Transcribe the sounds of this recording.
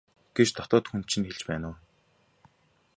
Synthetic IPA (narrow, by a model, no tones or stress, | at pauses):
ɡ̥et͡ɕt̪ʰɔt̪ɔːt̪xunt͡ɕʰĭnxeɮt͡ɕpæːnʊː